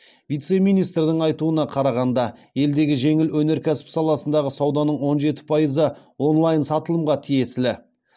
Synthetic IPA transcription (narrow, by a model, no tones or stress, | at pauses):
vijt̪se̞mijnijst̪ɾd̪ɪɴɑjt̪uənɑqʰɑɾɑʁɑnd̪ɑje̞ld̪e̞ɡʲɪʒe̞ŋɪlwɵne̞ɾkʲʰæsɪ̥psɑlˠɑsənd̪ɑʁəsɑwd̪ɑnəɴwo̞nʒe̞t̪ɪ̥pʰɑjəzə | wo̞nlˠɑjnsɑt̪əlˠəmʁɑt̪ʰije̞slɪ